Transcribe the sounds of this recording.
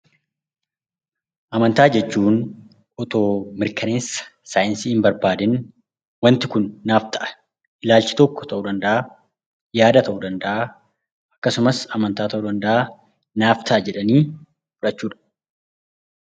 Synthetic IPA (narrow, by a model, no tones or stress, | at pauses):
ʔɐmɐnt̪aːd͡ʒɛt͡ʃːuːn | ɔt̪o̞ːmɪɾkɐne̞ːsːɐ̥ | saːjɪnsiːhɪmbɐɾbaːd̪ɪn | wɐnt̪ɪkʊnːaːft̪ʰɐʔɐ̥ | ʔɪlaːlt͡ʃɪ̥t̪ɔkːɔ̥t̪ɐʔuːd̪ɐnd̪ɐʔa | jaːd̪ɐt̪ɐʔuːd̪ɐnd̪ɐʔa | ʔɐkːɐsʊmɐsɐmɐnt̪aːt̪ɐʔuːd̪ɐnd̪ɐʔa | naːft̪ʰɐʔɐd͡ʒɛᶑɐniː | fʊᶑɐt͡ʃːuːᶑɐ̥